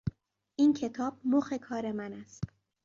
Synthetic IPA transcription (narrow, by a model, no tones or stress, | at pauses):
ʔiːncʰe̞t̪ʰɒːb̥̚moxe̞kʰɒːɾe̞mænæst̪